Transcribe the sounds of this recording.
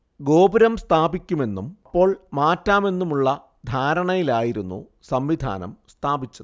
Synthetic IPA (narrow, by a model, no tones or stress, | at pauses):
ɡo̞ːbiɾɐmst̪ʰaːbikʲːume̞nːumɐpːo̞ːɭmaːtːaːme̞nːumuɭːɐ | d̪ʱaːɾɐɳɐjilaːjiɾunːṵ | sɐmʋid̪ʱa̰ːnɐ̰mst̪ʰaːbit͡ɕːɐðɨ